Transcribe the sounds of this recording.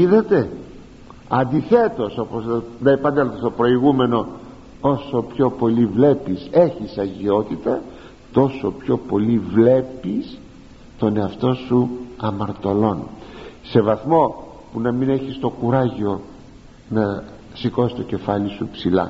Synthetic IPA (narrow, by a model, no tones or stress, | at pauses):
iðɐt̪e̞ | ɐnd̪iθe̞t̪o̞so̞poznɐipɐnd̪elot̪ɐst̪opɾo̞iɣume̞no̞ | o̞so̞pço̞po̞livle̞pise̞çisɐʝio̞t̪it̪ɐ | t̪o̞so̞pço̞po̞livle̞pis | t̪o̞ne̞ɐft̪o̞suɐmɐɾt̪o̞lo̞nse̞vɐθmo̞ | punɐmine̞çist̪o̞kuɾɐʝio̞ | nɐ | siko̞sist̪o̞ce̞fɐlisupsilɐ̰